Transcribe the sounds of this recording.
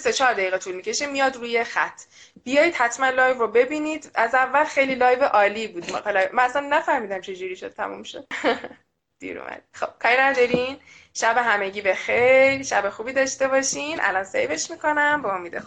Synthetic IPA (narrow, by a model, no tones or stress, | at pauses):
se̞t͡ʃʰɒːɾd̪æjiːɣet̪ʰulmicʰe̞ʃemijɒd̪ɾuːjexæ̰t̪ʰːb̥ijɒːjid̪̥hæt̪ʰmænlɒːjvɾobe̞biniːd̪æzævːælxe̞jlilɒːjveʔɒːliːbuːd̪mkɑlmææsænːæfæhmiːd̪æmt͡ʃʰe̞d͡ʒuɾiːʃod̪̚t̪ʰæ̰mṵmʃod̪ | d̪̥ḭɾṵmʔæ̰d̪ixob̥̚kʰɒːɾinæd̪ɒɾin | ʃæbe̞ɦæmeɟiːbe̞xeɾʃæbexuːbiːd̪ɒʃt̪e̞βɒʃinʔæ̰lɒnsḛjve̞ʃmiko̞næmbemɒmid̪ḛx